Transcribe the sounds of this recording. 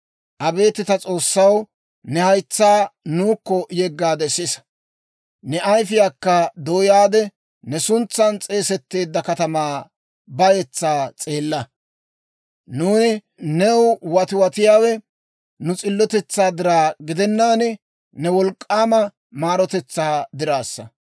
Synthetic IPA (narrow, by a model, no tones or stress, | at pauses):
ʔɐbe̞ːt̪ːɪt̪ɐt͡sʼo̞ːsːɐw | nɛhɐjt͡sːaːnuːkːɔjɛɡːaːd̪ɛsɪsɐ̥ | nɛɐjfɪjaːkːɐd̪oːjaːd̪ɛ | nɛsʊnt͡sːɐnt͡sʼe̞ːsɛt̪ːeːd̪ːɐkɐt̪ɐmaː | bɐjɛt͡sːaːt͡sʼe̞ːlːɐ | nuːnɪ | nɛwwɐt̪ɪwɐt̪ɪjaːwɛ | nʊt͡sʼɪlːɔt̪ɛt͡sːaːd̪ɪɾaːɡɪd̪ɛnːaːnɪ | nɛwɔlkʼːaːmɐ | maːɾɔt̪ɛt͡sːaːd̪ɪɾaːsːɐ̰